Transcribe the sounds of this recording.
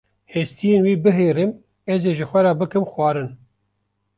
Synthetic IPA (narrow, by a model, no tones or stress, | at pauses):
hest̪ijeːnwiːbɨɦeːɾɨm | ɛzeːʒɨxʷɛɾɑːbɨkɨmxwɑːɾɨn